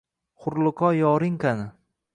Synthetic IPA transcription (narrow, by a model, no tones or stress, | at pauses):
χʊɾlˠʊqʰɒjɒɾɪŋkanɪ